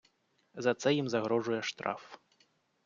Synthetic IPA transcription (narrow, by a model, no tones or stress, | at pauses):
zɐt̪sɛjimzɐɣɾɔʐujɛʂt̪ɾa̰f